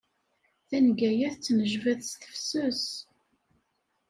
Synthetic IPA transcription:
θænɡæjæθt͡sːnəʒvæðsθə̥fsʊs

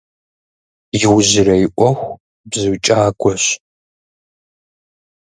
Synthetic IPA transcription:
jɪwʑɪɾɐjɪʔʷɔxʷ | bzɨwt͡ʃʼaːɡʷʼɔɕ

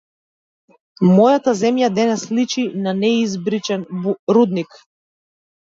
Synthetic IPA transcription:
mɔjat̪azɛmjad̪ɛnɛslit͡ʃinanɛizbɾit͡ʃɛnɾud̪nik

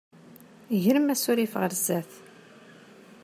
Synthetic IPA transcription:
ʝɾəmæsʊɾifəʁəɾzæθ

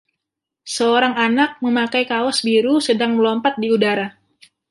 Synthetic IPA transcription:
səoɾaŋanak̚məmakajkaɔsbiɾusədaŋməlɔmpat̪̚diudaɾa

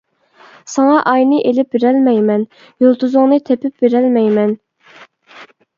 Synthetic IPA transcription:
sɑŋɑʔɑjnɨʔelɪp̚beɾɛlmɛjmɛn | jolˠt̪uzʊŋnɨt̪ʰepɪp̚beɾælmɛjmɛn

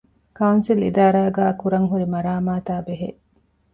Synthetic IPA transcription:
kɐunsilḭd̪aːɾaːɡæːkuɾɐŋɦuɾimɐɾaːmaːt̪aːbeɦḛ

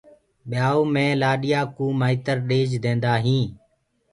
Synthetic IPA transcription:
ɓjaːoːmẽːlaːɗɪjaːkuːmaːiːt̪əɾɗeːd͡ʒd̪ẽːnd̪aːɦĩː

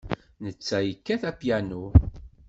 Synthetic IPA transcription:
nət͡sːæjəkːæθæpjænu

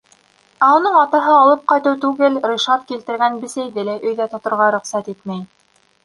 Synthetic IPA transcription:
æunɤɴɑt̪ɤ̆ɦɤɑlˠɤp̚qɑjt̪ɤwt̪ʉɡɘlɾuʃɑt̪kilt̪ɘ̆ɾɡænbɘ̆sæjðɘlæʔɵ̆jðæt̪ŏt̪ŏɾʁɑɾɵ̆qsæt̪it̪mæj

